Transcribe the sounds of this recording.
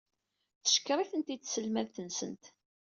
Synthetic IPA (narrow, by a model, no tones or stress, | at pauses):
θə̥ʃkːɾˤiθənt̪isəlmæðθənsə̰nt̪